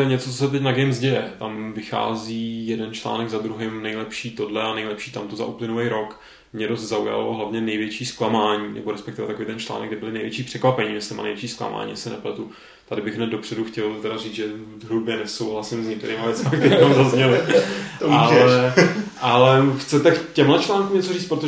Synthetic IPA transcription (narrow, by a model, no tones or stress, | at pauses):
ɲɛt͡sot͡sosɛt̪̬ɛcnaɡɛjmzɟɛjɛt̪amvɪxa̰ːziːjɛdɛnt͡ʃla̰ːnɛɡzad̪ɾuɦɪmnɛjlɛpʃiːt̪o̞dlɛanɛjlɛpʃiːt̪amt̪o̞za̰ʔuplɪnulɛjɾo̞k | mɲɛdost̪zauja̰loɦlavɲɛnɛjvjɛt͡ʃiːsklamaːɲiːnɛ̰bo̞ɾɛspɛk̚t̪ɪvɛt̪akovejt̪ɛnt͡ʃla̰ːnɛɡ̚dɪbɪlɪnɛjvjɛt͡ʃiːpr̥ɛkvapɛɲiːmɪsɪt̪ɛma̰nejvjɛt͡ʃiːskla̰ma̰ːɲḭsɛnɛplɛt̪u | t̪adɪbɪɣɦnɛd̪̚do̞pr̝̥ɛduxcɛlt̪ɛɾariːd͡zʒɛ | zɦɾubjɛnɛsowɦlasɪmzɲɛk̚t̪ɛɾiːmavjɛt͡smak̚t̪ɛɾiiːmamzazɲɛlɪt̪oaɛʔalɛxt͡sɛt̪akcɛmlɛt͡ʃlaːŋkumɲɛt͡so̞riːt͡st̪pɾot̪o